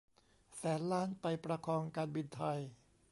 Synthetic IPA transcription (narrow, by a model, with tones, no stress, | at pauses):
sɛː˩˦nlaː˦˥˩npa˧jpɾa˧kʰɔː˧ŋkaː˧nbi˧nt̪ʰa˧j